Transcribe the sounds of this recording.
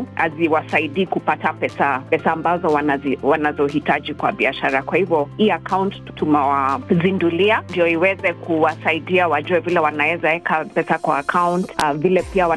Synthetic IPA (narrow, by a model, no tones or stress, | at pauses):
a̰ziwasaiɗiːkupatapɛsapɛsaːmbazɔwaaziwanazɔhitad͡ʒikwa̰ɓiaʃaɾakwahivjɔiːakawntttunawazinduliandijɔiwɛzɛkʰuwasaiɗiawad͡ʒuwɛvilɛwanawɛzawɛkʰapɛsakwaːkʰawntvilɛpiawa